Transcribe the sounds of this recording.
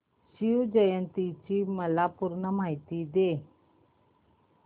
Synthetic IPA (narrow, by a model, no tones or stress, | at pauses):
ɕiud͡ʑəjənt̪it͡ɕiməlapuɾɳəmaɦit̪id̪e